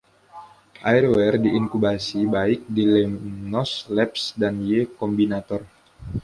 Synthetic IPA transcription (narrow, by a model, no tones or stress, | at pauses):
ʔairwɛrdiiŋkubasibaɪk̚dilɛnɔslɛp̚sdanjekɔmbinat̪ɔr